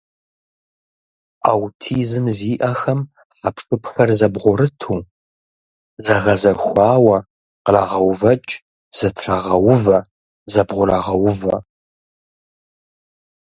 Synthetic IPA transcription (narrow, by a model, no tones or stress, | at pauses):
aːwtʰiːzɨmziːʔɐxɐm | ħapʰʂʼɨpʰxɐrzɐbʁʷʊɾɨtʰuː | zɐʁɐzɐxʷɑːwɐ | qəraʁɐwvɐt͡ʃʼ | z̥ɐtʰraʁɐwʊvɐ | zɐbʁʷʊraʁɐwʊvɐ̰